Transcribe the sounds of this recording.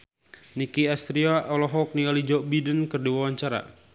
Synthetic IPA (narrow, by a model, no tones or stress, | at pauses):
nikiast̪ɾiaʔɔlɔɦɔk̚nialid͡ʒɔʔbidənkərdiwawaɲt͡ʃaɾa̰